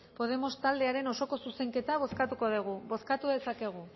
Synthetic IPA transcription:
po̞ð̞e̞mo̞st̪ald̪e̞aɾe̞no̞so̞ko̞suse̞ŋke̞t̪aβ̞o̞skat̪uko̞ðuɣ̞uβo̞skat̪uðe̞sake̞ɣ̞u

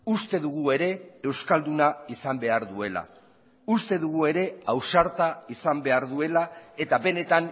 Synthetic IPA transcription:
ust̪e̞ðuɣ̞ue̞ɾe̞ːwskald̪unaisambe̞aɾðue̞la̰ | ust̪e̞ðuɣ̞ue̞ɾe̞awsaɾt̪aisambe̞aɾðue̞lae̞t̪abe̞ne̞t̪an

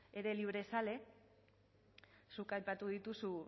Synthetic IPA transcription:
e̞ɾe̞liβ̞ɾe̞sale̞ | sukajpat̪uð̞it̪usu

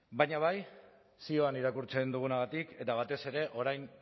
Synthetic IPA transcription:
baɲaβ̞aj | sio̞aniɾakuɾt͡se̞nd̪uɣ̞unaɣ̞at̪ike̞t̪aβ̞at̪e̞se̞ɾe̞ʔo̞ɾajn

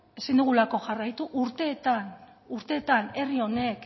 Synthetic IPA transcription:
e̞sind̪uɣulako̞ʝarajt̪uʔuɾt̪e̞ːt̪an | uɾt̪e̞ːt̪ane̞rio̞ne̞k

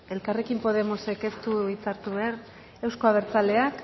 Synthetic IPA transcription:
e̞lkare̞kimpo̞ð̞e̞mo̞se̞ke̞st̪uit͡saɾt̪uβeaɾ | e̞wsko̞aβ̞e̞ɾt͡sale̞ak

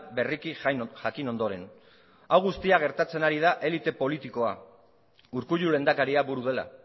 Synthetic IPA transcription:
be̞rikixnʝakino̞nd̪o̞ɾe̞n | awɣust̪iaɣ̞e̞ɾt̪at͡senaɾið̞aʔe̞lit̪e̞po̞lit̪iko̞a̰ | uɾkuʎule̞nd̪akaɾiaβuɾuð̞e̞la̰

